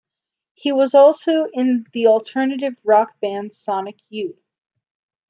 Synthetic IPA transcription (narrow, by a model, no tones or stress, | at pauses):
hiwʌzɔlˠsoʊʔɪ̃nðil̩ˠtʰɜ˞nɨɾɨvɹɑk̚b̥æ̃nd̥sɑnɨkʰjʉθ